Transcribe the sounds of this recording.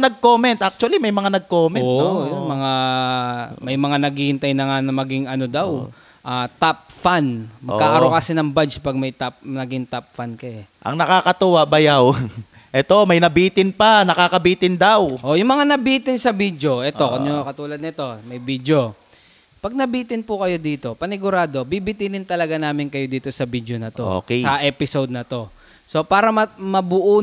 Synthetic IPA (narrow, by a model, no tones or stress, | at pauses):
nɐɡ̚koːmɛnt̪ʔak̚t͡ʃʊɐlimɐjmɐŋanɐɡ̚koːmɛoʔjʊmɐŋa | mɐjmɐŋanɐɡihɪnt̪ajnɐŋanɐmɐɡɪŋɐno̞d̪aw | ʔaːt̪ap̚fanmɐaːʔɐɾokɐsɪnɐŋbad͡ʒpɐɡ̚mɐjt̪ap̚nɐɡɪŋt̪ap̚fankɐɛʔɐ̰ŋnɐkaːkɐt̪ʊwabɐjaw | ʔɛt̪o̞mɐjnɐbiːt̪ɪnpɐnɐkaːkɐbiːt̪ɪnd̪awʔojʊŋmɐŋanɐbiːt̪ɪnsɐbid̪jo̞ʔɛt̪o̞konjokɐt̪uːlɐd̪nɪt̪o̞mɐjbid̪jo̞ | pɐɡ̚nɐbiːt̪ɪnpʊkɐjo̞d̪iːt̪o̞pɐnɪɡʊɾaːd̪o̞bibɪt̪inɪnt̪ɐlɐɡanaːmɪnkɐjo̞d̪iːt̪o̞sɐbid̪jonɐt̪oo̰ksɐʔɛːpɪsowd̪̚nɐt̪o̞ | so̞paːɾɐmɐmɐbʊʔu